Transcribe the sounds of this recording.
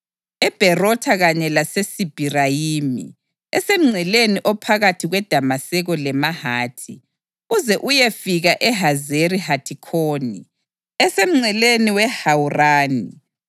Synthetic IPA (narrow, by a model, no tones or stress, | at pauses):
ɛb̥ʱɛrɔtʰaɣaɲɛlasesib̥ʱirajiːmḭ | ɛsem̩ŋ͡ǀʱɛleniʔɔpʰaɣatʰiɣwɛd̥ʱamasɛɣɔlɛmahaːtʰi | ɣuzɛʔujefiɣaʔɛɦazeɾihatʰikʰoːnḭ | ɛsem̩ŋ͡ǀʱɛleniwɛhawuraːni